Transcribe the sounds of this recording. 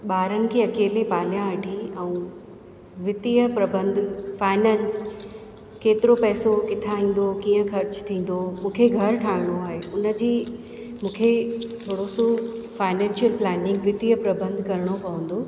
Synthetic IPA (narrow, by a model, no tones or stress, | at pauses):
ɓaːɾənɪ̆kʰeːɐkeːlepaːljãɐʈʰiɛ̃ũ | ʋɪt̪ijəpɾɐbə̃nd̪ʱfaːɪnɛːns | keːt̪ɪɾopɛːsokɪt̪ʰaːɦĩːn̆d̪okiːə̃xɐɾt͡ɕt̪ʰĩːn̆d̪omũːkʰeɡʱɐɾʈʰaːɾɪɽ̃oaːɦeʊnə̆d͡ʑiː | mũːkʰe | ʋɐɽosofaːɪnɛ̃ːnʃijəlplɛːnɪ̃ŋɡʋɪt̪ijəpɾɐbə̃nd̪ʱkɐɾɪɽ̃opɐʋə̃n̆d̪oː